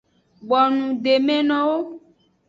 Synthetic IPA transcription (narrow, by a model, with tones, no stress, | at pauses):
ɡ͡bɔ˨nũ˨ɖe˨mẽ˦nɔ̃˦wo˦